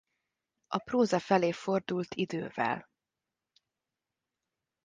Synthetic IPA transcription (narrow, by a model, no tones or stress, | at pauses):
ʔɒproːzɒfɛleːfo̞rd̪ult̪ʰid̪øːvɛ̰l